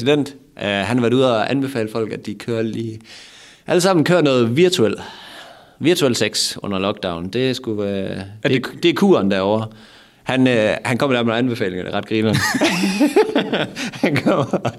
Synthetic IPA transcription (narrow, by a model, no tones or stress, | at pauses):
sid̥en̰d̥ʔɦænhɑʋæɐ̥uð̞̰ˠɒʔænb̥e̝fɛ̰ːləfɒ̽l̰ɡ̥æd̥ikʰøːɐliː | ʔæləsɑ̈m̰n̩kʰøːɐnɔ̽ːð̞̩ˠʋiɐt͡sʰuel̰ | ʋiɐt͡sʰuelseɡ̥sʔɔ̽n̰ɐlɒ̽ɡ̥d̥ɑ̈ʊn̩d̥e̝sɡ̥u | ed̥e̝ækʰuːɐnd̥æɐ̰ɒʊ̰ɐ | hænhænkʰɒ̽m̰d̥æɐmnænb̥e̝fɛ̰ːle̝ŋɐd̥eʁɑ̈d̥ɡ̥ʁiːnɐ | hænkʰɒm̰